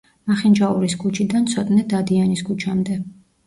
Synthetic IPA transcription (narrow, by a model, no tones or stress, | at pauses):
maχind͡ʒauɾisɡut͡ʃʰid̪ant̪sʰɔt̪ʼnɛd̪ad̪ianisɡut͡ʃʰamd̪ɛ